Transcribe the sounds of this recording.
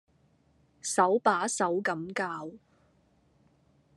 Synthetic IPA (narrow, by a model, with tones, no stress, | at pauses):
sɐ˨˥wpaː˨˥sɐ˨˥wkɐ˨˥mkaː˧w